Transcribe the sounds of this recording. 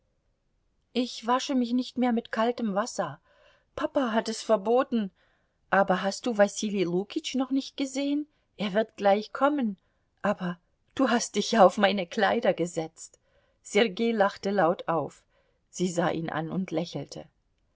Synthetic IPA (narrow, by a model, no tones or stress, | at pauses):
ʔɪçv̥aʃəmɪçnɪçtmeːɐmɪtkʰaltəmvasɐ | pʰapaɦatɛsfɛɐboːtn̩ | ʔaːbɐɦast̚d̥uːvasiliʁuːkʰɪt͡ʃnɔχnɪçt̚ɡ̥əzeːən | ʔeːɐvɪɐtɡ̥laɪçkʰɔmən | ʔaːbɐ | d̥uːɦast̚d̥ɪçjaːaʊfmaɪnəkʰl̥aɪdɐɡəzɛt͡st | z̥ɛʁɡeːlaχtəlaʊtʰaʊf | z̥iːzaːʔiːnʔa̰nʊntʰlɛçl̩tʰə̰